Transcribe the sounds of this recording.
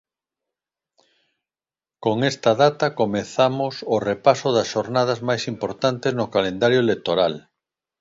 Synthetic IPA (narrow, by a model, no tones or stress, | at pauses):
koŋest̪aðat̪akomeθamʊsorepasʊðɐsʃoɾnað̞ɐzmajsimpoɾt̪ant̪eznokalend̪aɾjoelek̚t̪oɾal